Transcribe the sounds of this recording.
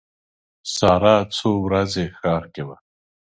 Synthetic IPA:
sɑːɾaːt͡sʰowɾazexɑːɾkewa

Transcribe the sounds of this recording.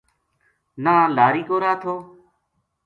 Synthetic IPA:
naːlaːɾiːkoːɾaːt̪ʰoː

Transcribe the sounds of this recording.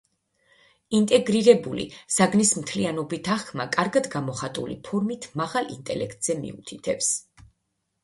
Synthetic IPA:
int̪ʼɛɡɾiɾɛbulḭz̥aɡnismt̪ʰlianɔbit̪ʰaχkʰmakʼaɾɡad̪ɡamɔχat̪ʼṵlḭpʰɔɾmit̪ʰmaʁalˠḭnt̪ʼɛ̰lɛkʰt̪ʼz̥ɛmḭut̪ʰit̪ʰɛps

